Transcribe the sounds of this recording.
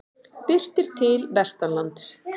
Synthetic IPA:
pɪr̥t̪ɪɾ̥t̪ʰɪlvɛst̪alant̪s

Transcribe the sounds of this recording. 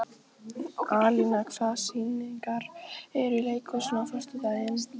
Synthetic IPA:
aːlɪnakfasiniŋkaɾɛɾileːjkʏsɔnafœr̥st̪ʏt̪aɪn

